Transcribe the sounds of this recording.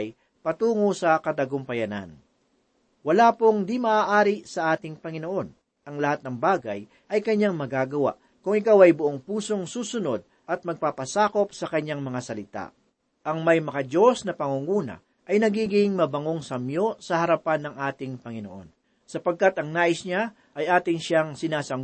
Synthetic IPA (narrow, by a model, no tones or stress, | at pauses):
j | pɐt̪uːŋosɐkɐd̪ɐɡompɐjɐna̰n | wɐlaːpoŋd̪imɐʔaːʔaːɾɪsɐʔaːt̪ɪŋpɐŋɪno̞ʔo̞n | ʔɐŋlɐhat̪nɐŋbaːɡɐj | ʔɐjkɐɲːaŋmɐɡaːɡɐwa̰ʔ | kʊŋɪkawɐjbʊʔoŋpuːso̞ŋsuːsʊno̞d̪̚ | ʔɐt̪̚mɐɡ̚papɐsaːko̞p̚sɐkɐɲaŋmɐŋasɐlɪt̪a̰ | ʔɐŋmɐjmɐkɐd͡ʒo̞snɐpɐŋuŋuːnɐ̰ | ʔɐjnɐɡiːɡɪŋmɐbɐŋo̞ŋsɐmjo̞sɐhɐɾɐpanːɐŋʔaːt̪ɪŋpɐŋɪno̞̰ʔo̞̰n | sɐpɐɡ̚kat̪ɐŋnaːʔɪsɲa | ʔɐjʔaːt̪ɪŋʃaŋsɪnaːsɐŋ